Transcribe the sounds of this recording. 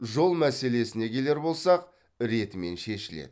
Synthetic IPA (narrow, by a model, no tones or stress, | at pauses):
ʒo̞lˠmæse̞le̞sɪne̞kʲʰe̞le̞ɾbo̞lˠsɑq | ɾe̞t̪ɪme̞̰nʃe̞ʃɪlḛd̪ɪɪ